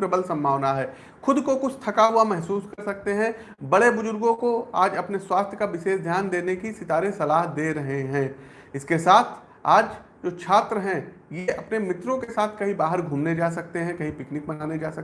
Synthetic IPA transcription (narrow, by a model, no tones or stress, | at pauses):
pɾɐbəlsɐ̃mbʱaːʋnaɦɛː | xʊd̪kokʊt͡ʃʰt̪ʰɐkaɦuamɛɦsuːskɐɾsɐk̚t̪eɦɛ̃ | bɐɽebʊzʊɾɡõkoaːd͡ʒɐpneswaːst̪ʰjəkaʋɪʃeːsd̪ʱjaːnd̪eːnekisɪt̪aːɾesɐlaːɦd̪eːɾɐɦeɦɛ̃ː | ɪskesaːt̪ʰ | aːd͡ʒ | d͡ʒoːt͡ʃʰaːt̪ɾəɦɛ̃ | jeɐpnemɪt̪ɾõkesaːt̪ʰkɐɦĩbaːɦəɾɡʱuːmned͡ʒaːs̬ɐk̚t̪eɦɛ̃kɐɦĩpɪknɪk̚bɐnaːned͡ʒaːsɐk̚